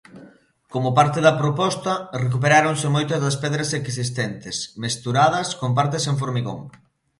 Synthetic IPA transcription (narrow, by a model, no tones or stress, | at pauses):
komʊpaɾt̪eðɐpɾopɔst̪ɐrek̬upeɾaɾoŋsɪmojt̪ɐzðɐspɛðɾɐseksist̪ɛnt̪ɪsmest̪uɾaðɐskomp̬aɾt̪̬eseŋfoɾmiɣo̰ŋ